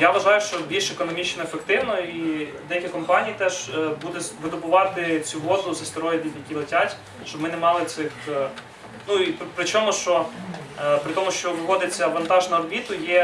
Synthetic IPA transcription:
jaʋɐʒɑjʊʃt͡ʃɔbʲilʲʃekɔnɔmʲit͡ʃnɔefekt̪ɪwnɔid̪ɛjɐkʲikɔmpɑnʲijit̪ɛʒ̥bud̪ʊsʋɪd̪ɔbʊʋɑt̪ɪt͡sʲuʋɔzʊzɐst̪ɪɾɔjɪdʲid̪ʲjɐkʲilˠetʲatʲ | ʃt͡ʃɔbmɪnɛmɑlˠɪt̪sɪx | nuippɾɪt͡ʃɔmʊʃt͡ʃɔ | pɾɪt̪ɔmʊʃt͡ʃɔʋɪʋɔd̪ɪt͡sʲːɐɐʋɐnt̪ɑʒnɐrɔbʲit̪ʊjɛ

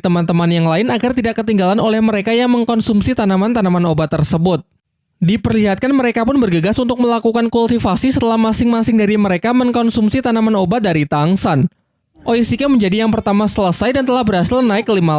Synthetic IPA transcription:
t̪əmant̪əmanjaŋlaɪnaɡart̪idakːət̪iŋɡalanʔolɛhməɾekajaŋməŋkɔnsumsit̪anamant̪anamanobat̪ərsəbʊt̪̚ | dipərliɦat̪̚kanməɾekapʊnbərɡəɡasunt̪ʊk̚məlakukankult̪ifasisət̪əlahmasɪŋmasɪŋdaɾiməɾekaməŋkɔnsumsit̪anamanobadaɾit̪aŋsan | ʔoisikaməɲd͡ʒadijaŋpərt̪amasələsajdant̪əlahbərɦasɪlnaɪkəlima

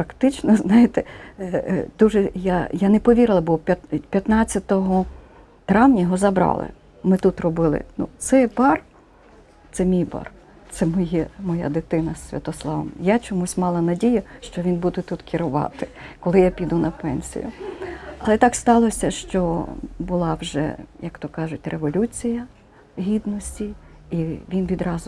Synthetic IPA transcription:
pɾɐkt̪ɪt͡ʃnɔznɑjɪt̪ɛ | d̪̥uʒɛjajanɛpɔʋʲiɾɪlˠɐbɔpʲɐt̪pʲjɐt̪nɑt͡sʲːɐt̪ɔɦɔ | t̪ɾɑwnʲɐjɦɔzɐbɾɑ̰lˠɪ̰ | mɪt̪ut̪rɔbɪlˠɪ̰nṵt̪sɛbɑr | t̪sɛmʲijbɑ̰r | t̪sɛmɔjimɔja̰d̪ɪt̪ɪnɐsːʲʋʲɐ̰t̪ɔslˠɑʋɐ̰mjat͡ʃɔmusʲmɑlˠɐnɐdʲijɐʃt͡ʃɔʋʲinbud̪ɛt̪ut̪kʰʲɪɾʊʋɑ̰t̪ɪkɔlˠɪjapʲid̪unʔɐpɛnʲsʲḭjʊ̰ɐlˠɛt̪ɑkst̪ɑlˠɔsʲɐʃt͡ʃɔbʊlˠɑwʒɛ̰jɐkt̪ɔkɑʒʊt̚ʲreʋɔlʲut͡sʲijɐ | ɦʲid̪nɔsʲtʲiiʋʲinʋʲid̪ɾɑzʊ

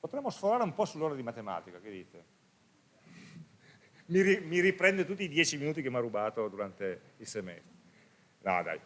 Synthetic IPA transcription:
pot̪ɾɛmːosfoɾaːɾeumpɔsulːoːɾad̪imat̪ema̰ːt̪ikaked̪ḭːt̪e | miɾimiɾipɾɛnd̪et̪ut̪ːiːd̪jɛːt͡ʃiminuːt̪ikemːarːubaːt̪od̪uɾant̪e | ilsɛmɛ̰s | na̰d̪a̰j

